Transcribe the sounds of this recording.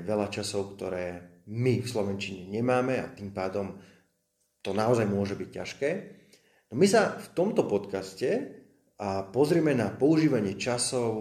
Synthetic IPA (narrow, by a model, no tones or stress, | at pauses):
ʋɛʎat͡ʃasɔʊkt̪ɔɾɛːmifslɔʋɛnt͡ʃiɲɛɲɛmaːmɛa̰t̪iːmpaːd̪ɔm | t̪ɔnaɔzajmʊɔʒɛbicca̰ʃkɛː | nɔmisaft̪ɔmt̪ɔpɔt̪kascɛ | ʔapɔzɾɪɛmɛnapɔuʒiːʋaɲɪɛt͡ʃasɔʊ